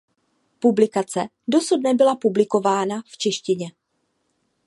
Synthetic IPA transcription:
publɪkat͡sɛ | do̞sudnɛbɪlapublɪko̞vaːnaft͡ʃɛʃcɪɲɛ

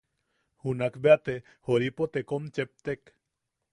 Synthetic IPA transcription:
hunakbeat̪e | hoɾipot̪ekomt͡ʃep̚t̪ek

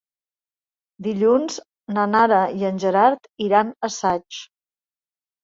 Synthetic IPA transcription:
d̪iʎunz | nənaɾəiənʲʒəɾaɾt̪iɾanəsat͡ʃ

